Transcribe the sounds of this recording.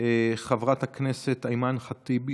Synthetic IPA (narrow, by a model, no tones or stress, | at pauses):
eχavʁat̪hakneset̪ajmanχat̪ib